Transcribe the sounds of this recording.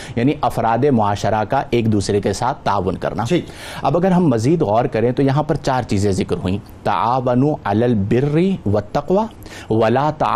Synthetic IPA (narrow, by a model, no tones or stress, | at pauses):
jaːniʔɐfɾaːd̪emʊaːʃəɾakaʔeːkd̪uːsɾekesaːt̪̚ʰːaːʋːʊnkɐ̰ɾnaːi | ɐ̰bɐɡəɾɦɐmːɐziːd̪ɣɔːɾkɐɾẽt̪ojɐɦãpɐɾt͡ʃaːɾt͡ʃiːzẽzɪkɾɦuĩː | t̪ɐ̰ʔaːʋɐnuɐlaːlbɪrːiʋɐt̪ːɐqʋa | ʋɐlaːt̪ɐ̰